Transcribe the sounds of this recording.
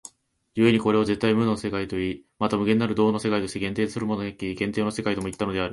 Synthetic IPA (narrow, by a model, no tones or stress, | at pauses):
jɯ̟e̞ɲ̟iko̞ɾe̞o̞ze̞t̪ːaimɯ̟nonse̞kait̪o̞iːmat̪amɯ̟ɡe̞nːaɾɯ̟d̪o̞ːnose̞kait̪o̞ɕt̪eɡẽ̞nt̪eːt̪sɨɾɯmo̞noɡakːiɡẽnt̪eːno̞se̞kait̪o̞moit̪ːano̞d̪eaɾɯ̟